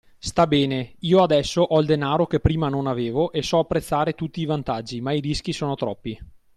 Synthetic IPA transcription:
st̪abɛːneiːoad̪ɛsːoʔɔild̪enaːɾokepːɾiːmanonaveːvoʔesɔapːɾet̪sːaːɾet̪ut̪ːiːvant̪ad͡ʒːimaiɾisk̟isoːnot̪ɾɔpːi

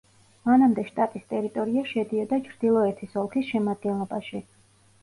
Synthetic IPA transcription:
manamd̪ɛʃt̪ʼat̪ʼist̪ʼɛɾit̪ʼɔɾiaʃɛd̪iɔd̪at͡ʃʰɾd̪̥ilˠɔɛt̪ʰisɔlˠkʰisʃɛmad̪̚ɡɛnlˠɔbaʃi

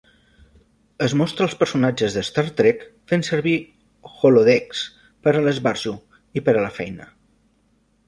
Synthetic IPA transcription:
əzmɔst̪ɾəːlˠspəɾsunad͡ʒəzðəst̪aɾt̪ɾɛkfensəɾβi | xoloðɛks | pəɾələzβaɾʒu | ipəɾələfɛjnə

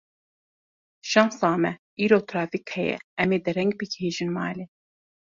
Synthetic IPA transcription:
ʃɑmsɑːmɛ | iːɾoːt̪ʰɾaːfikhɛjɛ̰ɛmeːd̪ɨɾɛŋɡ̚bɨkheːʒɨnmɑːleː

